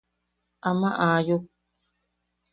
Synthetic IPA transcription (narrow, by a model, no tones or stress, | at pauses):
ʔamaʔaːjuk